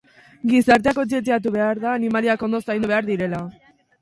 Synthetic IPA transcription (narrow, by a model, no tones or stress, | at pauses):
ɡisaɾt̪eakot͡ʃet̪̬iat̪̬uβe̞aɾðaːnimaliako̞nd̪o̞sajnuβe̞aɾðiɾe̞la